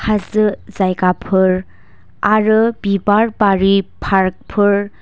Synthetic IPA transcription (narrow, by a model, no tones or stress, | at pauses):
hʰazɯzajkapʰɯɾ | aɾɯbibaɾbaɾipʰaɾk̚pʰɯɹ